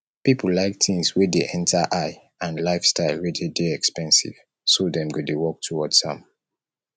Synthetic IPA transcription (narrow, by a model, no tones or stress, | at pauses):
pipllaɪk̚tʰĩmswedeʔɛ̃ntʰaʔaɪ | ãnlaɪfstaɪlwɛdedeɛkspɛ̃nsḭv̥ | sodɛ̃mɡudewɔk̚tʰuwɔdsã̰m